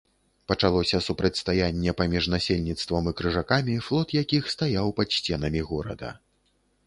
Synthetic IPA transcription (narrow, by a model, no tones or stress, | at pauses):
pɐt͡ʂalˠɔsʲɐsupɾɐt͡sʲst̪ajanʲːɛpamʲiʐnasʲelʲnʲit̪st̪vɐmɨkɾɨʐakamʲiflˠɔt̪jakʲixst̪ajawpɐt̪ʂt͡sʲɛnɐmʲiɣɔɾɐ̰d̪ɐ̰